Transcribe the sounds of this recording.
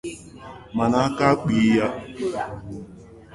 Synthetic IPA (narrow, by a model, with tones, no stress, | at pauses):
ma˨na˨˦a˦ka˦k͡pi˨˦ja˦